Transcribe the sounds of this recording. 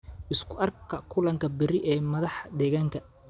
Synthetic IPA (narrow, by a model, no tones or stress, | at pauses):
ʔɪskʰʊʔɐrkʰɐkʰʊlɐŋkʰɐbɪɾɪʔɛːmɐðɑħd̪ɛːɣaːŋkʰɐ